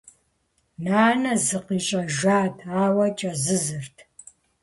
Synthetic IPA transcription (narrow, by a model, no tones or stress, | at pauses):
naːnɐzɨqiːɕʼɐʒaːtʰaːwɐt͡ʃʼɐzɨzɨrtʰ